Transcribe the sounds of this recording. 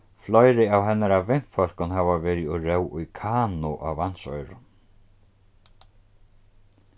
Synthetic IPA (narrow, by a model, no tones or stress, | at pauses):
flɔjɾɪawɦɛnːaɾavɪn̥fœl̥kʊnɦaːvavɛːɾɪɔɾɛwʔʊjkʰaːnʊʔa̰wvan̥sɔjɾʊ̰